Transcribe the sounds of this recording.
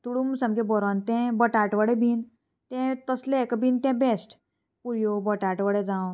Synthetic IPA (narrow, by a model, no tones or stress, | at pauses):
t̪uɽumsə̃mkẽbɔɾɔnt̪ɛ̃bəʈaʈʋəɽebʱiːn | t̪ɛ̃t̪əslekbʱint̪ẽbesʈ | puɾjobəʈaʈʋəɽẽd͡zãw